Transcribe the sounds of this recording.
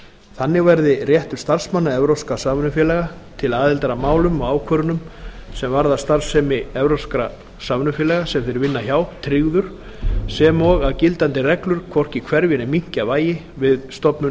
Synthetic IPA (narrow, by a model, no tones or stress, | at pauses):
θanːɪɣvɛɾðɪrjɛht̪ʏɾ̥st̪ar̥smanːaɛvɾowskasaːmʏnʏfjɛlɛɣa | t̪ʰɪlaːðɪlt̪aɾamaːwlʏmɔɣaːwkʰœɾʏnʏmsɛmvaɾðast̪ar̥sɛmɪɛvɾowskɾa | saːmnʏfjɛːlɛɣasɛmfɪɾɪɾvɪnːaçaːwt̪ʰɾɪɣðʏɾ̥ | sɛmɔɣaðcɪlt̪ant̪ɪrɛklʏɾ̥kʰvɔr̥cikʰvɛɾvjɪnɪmiŋ̥cavaːjɪ | vɪðst̪ɔpnʏ